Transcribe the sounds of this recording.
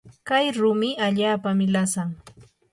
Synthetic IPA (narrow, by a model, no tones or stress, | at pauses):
kajɾʊmɪaʎaːpamɪlasaŋ